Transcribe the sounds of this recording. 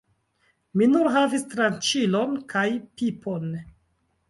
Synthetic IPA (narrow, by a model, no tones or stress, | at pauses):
minuɾɦavistɾant͡ʃilo̞nkʰajpipʰon